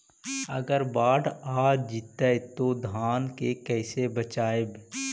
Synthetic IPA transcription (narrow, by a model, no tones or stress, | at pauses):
ə̰ɡəɾbaːʈaːd͡ʒɪt̪ət̪od̪ʱaːnkekɛːsebət͡ʃaːeb